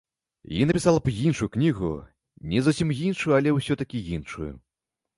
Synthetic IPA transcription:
jinɐpʲisalˠɐpjinʂujuknʲiɣṵ | nʲɛzusʲimjinʂujuɐlʲɛwsʲɔt̪ɐkʲijinʂṵjṵ

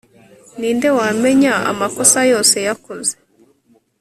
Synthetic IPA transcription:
niːnde̞waːme̞ɲaa̰makosajo̞ːse̞jakoze̥

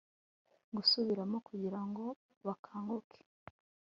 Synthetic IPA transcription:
ɡusuβiɾamokuɟiɾaŋɡo̞ | βakʰaːŋɡokʰe̥

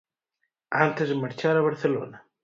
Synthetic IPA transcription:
ant̪esmaɾt͡ʃaɾaβaɾθɛlo̰ːna

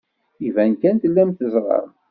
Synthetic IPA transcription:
ivænkænt̪lːæmt̪əzˤɾˤɑ̰ɾˤ

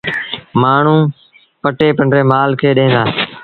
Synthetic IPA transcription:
maːɳ̤ũː | pəʈeːpəɳɖɾeːmaːlkʰeːɗẽːnd̪aː

